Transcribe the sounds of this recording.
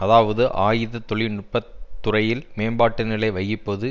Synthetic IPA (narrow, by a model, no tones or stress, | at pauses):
ɐðaːʋɐðɯʔaːjɪðɐt̪ɔɭɪnʊʈ̚pːɐt̪ːʊrɐjɪlmeːmbaːʈːɐnɪlɐɪʋɐjɪpːoðɯ